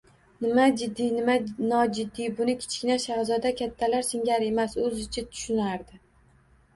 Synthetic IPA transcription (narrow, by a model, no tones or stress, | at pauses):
nɪmad͡ʒɪd̪ːinɪmanɒd͡ʒɪd̪ːibʊnɪkʲʰɪ̥t͡ʃkʲɪnaʃaʁzɒd̪akʲʰat̪ʰːalaɾsɪŋʲaɾe̞masɵzɪt͡ʃʰat̪ʰʊ̥ʃʊnaɾd̪ɪ